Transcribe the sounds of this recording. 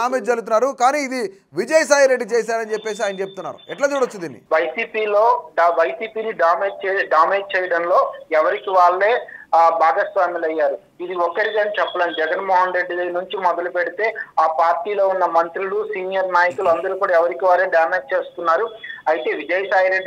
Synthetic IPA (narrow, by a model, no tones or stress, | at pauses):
aːmeːd͡ʒd͡ʒɐɾɡut̪unːaːɾukaːniːd̪i | ʋid͡ʒɐjɐsaːjɾe̞ɖːit͡ʃeːs̬aːɾɐnt͡ʃepːe̞ːs̬iaːjɐnɐt͡ʃeput̪unːa̰ːɾṵɛʈlaːt͡ʃuːɽɐt͡ʃːud̪iːnːḭʋɐjsiːpiːlo̞ːɖʋɐjsiːpiːniɖaːmeːɖ̚t͡ʃeːɖaːmeːɖ̚t͡ʃɛːjɐɽɐnlo̞ːɛʋɐɾikiʋaːɭːe̞ːbʱaːɡɐsʋaːmilɐjːaːɾu | id̪iɔkɐɽid̪ɐːnit͡ʃɛpːɐlaːnd͡ʒɛɡɐnmoːɦɐnɾe̞ɖːinuɲt͡ʃimɔd̪ɐlupeɽit̪e̞ːaːpaːɾʈiːlo̞ːunːɐmɐnt̪ɾulusiːnijɐɾnaːjɐkuluɐnd̪ɐɾuːkuːɽaːɛʋɐɾikiʋaːleːɖaːmeːɖ̚t͡ʃe̞ːst̪unːaːɾuɐjt̪e̞ːʋid͡ʒɐjɐsaːjiɾe̞ɖːi